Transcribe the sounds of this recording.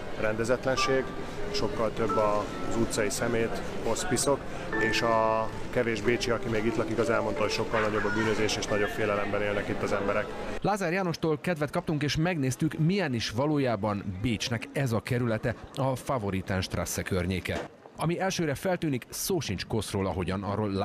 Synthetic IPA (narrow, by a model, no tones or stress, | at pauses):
rɛnd̪ɛzɛt̪lɛnʃeːɡ | ʃo̞kːɒlt̪ø̞bːɒ | zut̪sɒjisɛmeːt̪ | ho̞spiso̞k | eːʃɒkɛveːʒbeːt͡ʃiɒkimeːɡit̪lɒkikɒzɛlmo̞nt̪ɒɦocʃo̞kːɒlnɒɟo̞bːɒbyːnøzeːʃeːʃnɒɟo̞pfeːlɛlɛmbɛneːlnɛkit̪ːɒzɛmbɛɾɛklaːzaːrjaːno̞ʃt̪oːlkɛd̪vɛt̪̚kɒp̚t̪uŋkeːʃmɛɡneːst̪ykmijɛniʃʋɒloːjaːbɒnbeːt͡ʃnɛkɛzɒkɛɾylɛt̪ɛɒfavo̞ɾit̪aːnʃt̪ra̰sːɛkørɲeːkɛ | ɒmiɛlʃøːɾɛfɛlt̪yːniksoːʃint͡ʃko̞sroːlɒɦo̞ɟɒnɒ̰rːoːlː